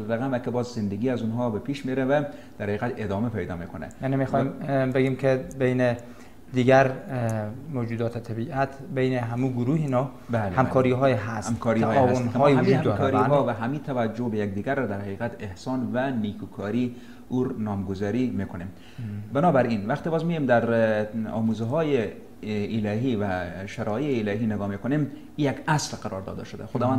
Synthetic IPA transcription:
ɾæɣæmækebɒːzzɪnd̪eɡiːæzunɦɒbepʰiʃmeɾævæd̪̥æɾhæiːɣæt̪ed̪ɒːmepʰæjd̪ɒ̰ːmekonɛ̰janimixɔːimbeɡiːmkʰebejne | d̪iɡæɾ | mod͡ʒuːd̪ɒːt̪ʰet̪ʰæbiːʔæt̪ʰbejneɦæmuɡʊɾuːhinɒː | bælehamkʰɒːɾiɦɒːjɦæsmkʰɒɾiːɔːausnɦɒd͡ʒuːdhæmːkɾɔːɾiɦɔːvæɦamiːt̪ʰæʋæd͡ʒobejak̚d̪iːɡaɾːɔd̪æɾhaqiːqat̪ehsɒnvænikʰukʰɒɾi | uɾnɒːmɡozɒɾimekonem | bɪnɒbæɾinvaqt̪ibɒːzmijemd̪æɾɒ̰ːmuzɦɒjeː | læɦivæʃaɾɒjeːlɛɦinɪɡɒmekonem | ijaɡaslqaɾɒɾd̪ɒ̰d̪a̰ʃod̪æ̰xod̪ɒːvan

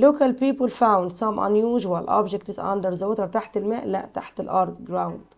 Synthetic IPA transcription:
loːkalpiːpʊlfãwndsãmʔa̰njuːʒwalʔɑ̰bd͡ʒɪk̚tɪzã̰ndəɾzawɪt̪əɾt̪aħt̪ɪlmæːʔla̰ʔt̪aħt̪ɪlʔɑɾˤd̪ɡɾawnd̪̥

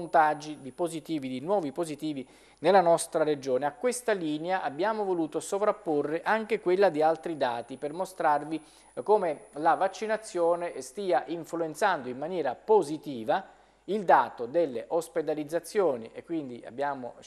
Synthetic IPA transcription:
nt̪ad͡ʒːid̪ipozit̪iːvid̪inwɔːvipozit̪iːvi | nelːanɔst̪ɾaɾed͡ʒoːneakːwest̪aliːneaʔabːjaːmovoluːt̪osovɾapːorːeʔaŋk̟ekwelːad̪ialt̪ɾid̪aːt̪ipermost̪ɾarvi | koːmelavat͡ʃːinat̪sːjoːnest̪iːaʔiɱfluent̪sand̪oimːanjɛːɾapozit̪iːva | ild̪aːt̪od̪elːeʔosped̪alid̪zːat̪sːjoːniʔekːwind̪ia̰bːjaːmo̰

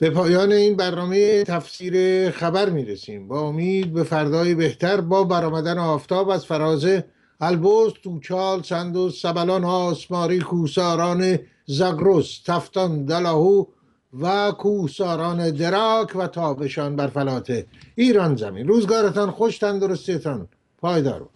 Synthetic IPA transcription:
b̥e̞pʰɒːjɒːne̞iːnbæɾnɒːmejet̪ʰæfsiːɾexæbæɾmiːɾesiːmbɒomiːd̪̚be̞fæɾd̪ɒːjebeht̪ʰæɾbɒːbæɾɒːmæd̪ænɒːft̪ɒːbæzfæɾɒːze | ælbost̪uːt͡ʃʰɒːlsænd̪osːæbælɒnɒːsmɒːɾiːkʰuːhsɒːɾɒːne | zæɡɾost̪ʰæft̪ɒnd̪ælɒːhuː | vækʰuːhsɒːɾɒːned̪e̞ɾɒːkʰvæt̪ʰɒːbe̞ʃɒːnbæɾfælɒːt̪ʰeiːɾɒnzæ̰mḭnɾuːzɡɒːɾet̪ɒnχoʃt̪ænd̪oɾost̪iet̪ʰɒn | pʰɒːjd̪ɒ̰ːɾo̰

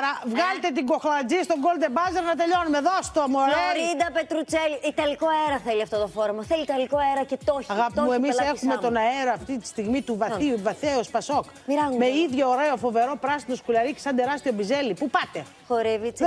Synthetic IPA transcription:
ɾɐvɣɐlet̪e̞t̪iŋɡo̞xlɐd͡zist̪oŋɡo̞ld̪ebɐzeɾnɐt̪e̞ʎo̞numeðost̪omoɾeid̪ɐpe̞t̪ɾut͡seliit̪ɐliko̞eɾɐθeliɐft̪ot̪ofo̞ɾemɐθelit̪ɐlikoeɾɐcet̪oɐɣɐpmuemisexumet̪o̞nɐe̞ɾoɐft̪it̪i̥st̪iɣmit̪uvɐθiuvɐθeospɐso̞k | iɾɐzme̞iðʝooɾe̞o̞fo̞ve̞ɾo̞pɾɐsino̞skulɐɾicesɐnd̪eɾɐst̪io̞bize̞lipupɐt̪e̞ | xoɾevit͡s

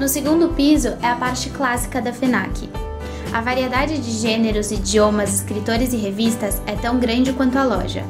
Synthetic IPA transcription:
nʊseɡũnd̪ʊpizʊʔɛɐpaɾt͡ʃɪklasi̥kɐd̪ɐfena̰kʰɪ | ɐvaɾied̪ad͡ʒɪd͡ʒɪʒẽneɾʊzid͡ʒiõmɐzɪskɾit̪oɾɪzɪɦevist̪ɐsɛt̪ɐ̃w̃ɡɾɐ̃nd͡ʒɪkwɐ̃nt̪̬ʊɐlɔ̰ʒɐ̰

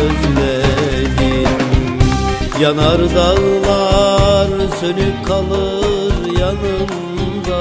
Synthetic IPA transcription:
øzlɛd̪i | janaɾd̪allˠaɾsønykʰalˠɯɾjanɯm | d̪a

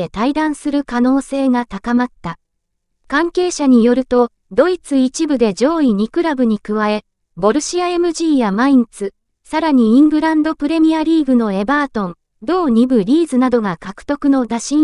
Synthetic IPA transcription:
et̪aid̪ãɰ̃sɨɾɯ̟kano̞ːse̞ːŋat̪akamat̪ːa | kãŋke̞ːɕaɲ̟ijo̞ɾɯ̟t̪o̞ | d̪o̞it͡sɨit͡ɕibɯ̟d̪e̞d͡ʑo̞ːiɲ̟ikɯ̟ɾabɯ̟ɲ̟ikɯ̟βae̞ | bo̞ɾɯ̟ɕiae̞mɯ̟ʑiːjamaĩnt͡sɨ | saɾaɲ̟iĩŋɡɯ̟ɾãnd̪o̞pɯ̟ɾe̞mʲiaɾʲiːɡɯ̟no̞e̞baːt̪õ̞n | d̪o̞ːɲ̟ibɯ̟ɾʲiːzɨnad̪o̞ɡakakɯ̥t̪o̞kɯ̟no̞d̪aɕĩ

